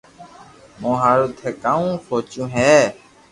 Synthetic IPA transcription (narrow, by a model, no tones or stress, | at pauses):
mõːɦaːɾuːt̪ʰeːkaːũːfʰoːt͡ʃũːɦɛː